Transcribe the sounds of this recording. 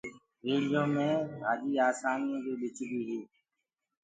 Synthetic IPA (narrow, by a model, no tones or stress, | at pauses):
ɾeːlɪjõːmẽːɦaːɗ̪iːaːsaːnijõːdeːɗɪt͡ʃʰbiːɦeː